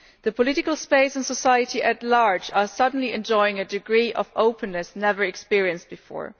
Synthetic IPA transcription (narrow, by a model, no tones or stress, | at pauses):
ðəpʰɔlɪɾɪkəl̩ˠspeɪsə̃nsəsaɪɨtiʔɨtlaɹd͡ʒə˞sʌdⁿn̩liɛ̃nd͡ʒɔɪɪ̃ŋɨdɨɡɹiːʔʌvoʊpʰɨ̃nːɨsnɛvə˞ɨkspɪɹiɨ̃nst̚b̥ɨfɔ̰ɹ